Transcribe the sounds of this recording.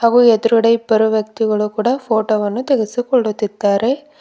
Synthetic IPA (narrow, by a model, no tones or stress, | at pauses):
haːɣuɛd̪ɐɾɐɽɐɪpɐɾuʋjɐk̚t̪iɣɐɭukuːɽɐfoːʈoːʋɐnːut̪ɛɣɛsikɔɭːut̪ːɪt̪ːaːɾe